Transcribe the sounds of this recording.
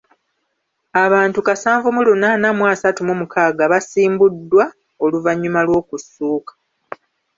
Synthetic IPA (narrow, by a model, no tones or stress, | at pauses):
aβaːntukasaːɱvumulunanamwaːsatumumukʰaːɡaβasiːmbudːwa | o̞luvaɲːumalwo̞ːkusːuːkḁ